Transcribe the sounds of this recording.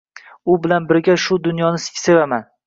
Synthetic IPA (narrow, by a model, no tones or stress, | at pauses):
ʊbɪlanbɪɾɡʲaʃʊd̪ʊnjɒnɪsɪ̥kʲʰse̞vaman